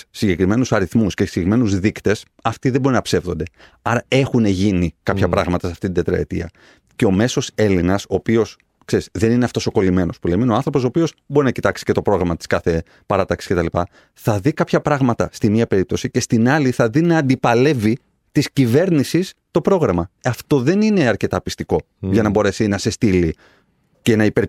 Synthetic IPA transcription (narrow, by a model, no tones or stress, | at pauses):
siɲɟe̞kɾime̞nusɐɾiθmusceseime̞nuzðikt̪e̞s | ɐft̪iðebo̞ɾinɐpse̞vðo̞nd̪e̞ | ɐɾɐe̞xune̞ʝinikɐpçɐpɾɐɣmɐt̪ɐsɐft̪it̪ind̪t̪ɾɐ̰ḛt̪ḭɐ̰ | ce̞o̞me̞so̞se̞linɐso̞ːpio̞s | kse̞ɾizðe̞nineɐft̪o̞so̞ko̞lime̞no̞spuleminoɐnθɾo̞pos̬oːpio̞sbo̞ɾinɐcit̪ɐksi̥ce̞t̪o̞pɾo̞ɣɾɐmɐt̪i̥skɐθe̞ | pɐɾɐt̪ɐksi̥sce̞t̪ɐlipɐ | θɐðikɐpçɐpɾɐɣmɐt̪ɐst̪immiɐpe̞ɾip̚t̪o̞sice̞st̪inɐliθɐðinɐːnd̪ipɐle̞vi | t̪iscive̞ɾnisist̪o̞pɾo̞ɣɾɐmɐɐft̪o̞ðe̞nine̞ɐɾce̞t̪ɐpist̪iko̞ | ʝɐnɐbo̞ɾe̞sinɐse̞st̪ili | ce̞nɐipeɾ